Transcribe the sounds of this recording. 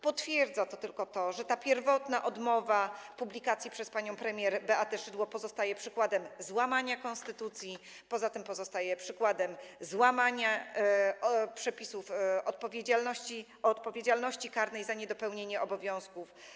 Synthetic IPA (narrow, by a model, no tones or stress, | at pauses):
pɔt̪fʲjɛɾd̪zat̪ɔt̪ɘlkɔt̪ɔʐɛt̪apʲjɛɾvɔt̪naʔɔd̪mɔvapublʲikat̪sʲjipʂɛspaɲɔ̃w̃pɾɛmʲjɛɾbɛʔat̪ɛʂɘd̪wɔpɔzɔst̪ajɛpʂɘkwad̪ɛmzwamaɲakɔnst̪ɘt̪ut̪sʲji | pɔzat̪ɘmpɔzɔst̪ajɛpʂɘkwad̪ɛmzwamaɲa | pʂɛpʲisufɔt̪̚pɔvʲjed͡ʑalnɔɕi | ɔt̪pɔvʲjed͡ʑalnɔɕt͡ɕikaɾnɛjzaɲɛd̪ɔpɛwɲeɲɛʔɔbɔvʲjɔ̃w̃skuf